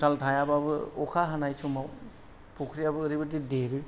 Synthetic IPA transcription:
saltʰajababɯɔkʰaɦanajsumaw | pʰukʰɾijabɯːɾibɯdideɾɯ

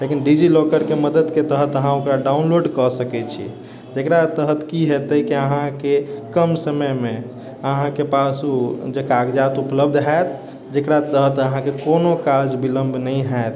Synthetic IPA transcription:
lekinɖid͡ʒilokəɾkeməd̪əd̪ket̪əɦət̪əɦãokɾaɖaunloɖkəsəkɛt͡ʃʰḭ | d͡ʒekɾat̪əɦət̪kiɦet̪əkiəɦãkekəmsəməme | əɦãkepasud͡ʒekaɡd͡ʒat̪upləbd̪ʱɦaet̪ | d͡ʒekɾat̪əɦət̪əɦãkekonokad͡ʒbiləmbʱnəĩɦaet̪

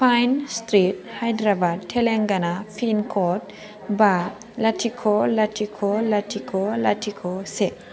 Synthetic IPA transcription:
pʰajnstɾit̚hajdɾabad̚tʰeleŋɡanapʰinkʰɔt̚ | ba | latʰikʰɔlatʰikʰɔlatʰikʰolatʰikʰɔse

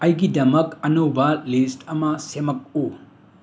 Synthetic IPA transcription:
ɐjɡidɐmɐkɐnowbɐlistɐmɐsemɐk̚u

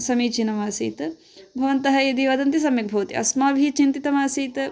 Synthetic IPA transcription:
sɐmiːt͡ʃinɐmaːsḭːt̪ɐ | bʱɐʋɐnt̪ɐɦɐjɐd̪iʋɐd̪ɐnt̪is̬ɐmjiɡ̚bʱɐːt̪ḭʔɐ̰smaːbʱit͡ʃint̪it̪ɐmaːsiːt̪ɐ

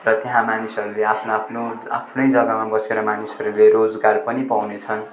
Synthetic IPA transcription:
rʌt̪eɦãmanisʌɾuleapʰnapʰnoa̰pʰnʌjd͡zʌɡʌmabʌseɾʌmanisʌɾuleɾod͡zɡarpʌnipawnet͡sʰʌn

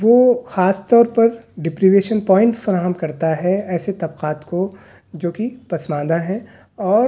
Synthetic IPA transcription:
ʋoːxaːst̪ɔːɾpɐɾɖɪpɾiʋeːʃənpɔ̃ːɪ̃ɳʈfɐɾaːɦəmkɐɾt̪aɦɛɛːset̪ɐbqaːt̪ko | d͡ʒoːkipɐsmãːd̪aɦɛ | ɔːɾ

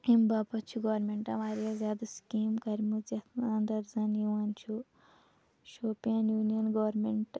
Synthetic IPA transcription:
imbaːpɐt͡ʃʰuɡɐʋɐɾmeɳʈɐmaːɾjazjaːd̪ɐskiːmkɐɾmud͡ʒɐt̪naːnd̪ɐɾzɐnjuɐnt͡ʃʰu | ʃoːpijɐnjuːnijɐnɡɐʋɐɾmeɳʈ

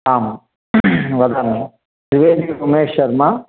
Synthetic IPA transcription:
aːm | ʋɐd̪aːme | pɾiʋeːd̪iumeːʃɐɾma

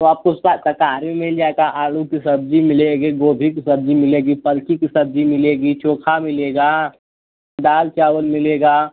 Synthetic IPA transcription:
t̪oaːp̚kosat̪ɐkaːɾmẽmɪld͡ʒaːeɡaʔaːlukisɐb̚d͡ʒimɪleːɡiɡoːb̪ʱikisɐb̚d͡ʒimɪleːɡipɐlkikisɐb̚d͡ʒimɪleːɡit͡ʃoːkʰamɪleːɡaː | ɖaːlt͡ʃaːwəlmɪleːɡaː

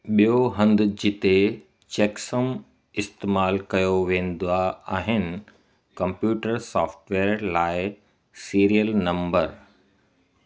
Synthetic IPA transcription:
ɓijoɦɐ̃nd̪̆d͡ʑɪt̪e | t͡ɕeːksəm | ɪst̪eːmaːlkɐjoʋẽːn̆d̪aaːɦɪnɪ̆ | kɐ̃mpjuːʈəɾsaːfʈʋeːɾlaːɪ | siːɾijəlnɐ̃mbəɾ

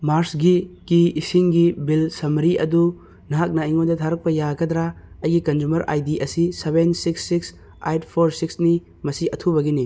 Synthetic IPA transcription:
maɾsɡikiːsiŋɡibilsɐmɾiʔɐ̰du | nɐɦak̚nɐiŋojdɐtʰaɾɐk̚pɐjaɡɐdɾa | ɐjɡikɐnd͡ʒumɐɾʔa̰jdiʔɐsiseβensiksːiks | a̰jtʰpʰoɾsiksni | mɐsiɐtʰubɐɡini

